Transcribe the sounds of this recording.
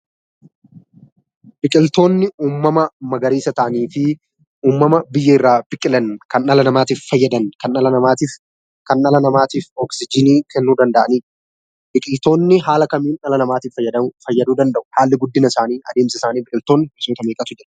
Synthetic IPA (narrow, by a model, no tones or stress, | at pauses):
bɪkʼɪlt̪o̞ːnːɪuːmːɐmɐmɐɡɐɾiːsɐt̪ɐʔɐniːfɪ | uːmːɐmɐbɪjːɛɪrːaːb̥ɪkʼɪlɐnkɐnːɐlɐnɐmaːt̪iːfːɐjːɐd̪ɐnkɐnɐlɐnɐmaːt̪iːf | kɐnːɐlɐnɐmaːt̪iːfɔksɪd͡ʒɪniːkʰɛnːuːd̪ɐnd̪ɐʔɐniː | bɪkʼɪlt̪o̞ːnːɪɦaːlɐkɐmiːnnɐlɐnɐmaːt̪iːffːɐjːɐd̪ɐmʊfɐjːɐd̪uːd̪ɐnd̪ɐʔʊ̥haːlːɪɡʊd̪ːɪnɐɪsaːniːɐd̪e̞ːmsɪsaːniːbɪkʼɪlt̪o̞ːnːɪbɪsoːt̪ɐmeːkʼɐt̪ʊd͡ʒɛɐ